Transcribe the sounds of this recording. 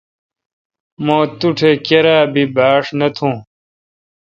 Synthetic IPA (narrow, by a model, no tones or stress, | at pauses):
mõːt̪uʈʰekeɾaːbibaːʂnɐt̪ʰũː